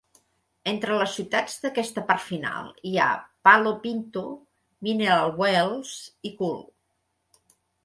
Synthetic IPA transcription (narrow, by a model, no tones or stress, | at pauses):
ent̪ɾələsiwt̪ad͡zd̪əkɛst̪əpaɾt̪fina̰lˠia̰palopint̪u | minealˠwwelˠz̥ikul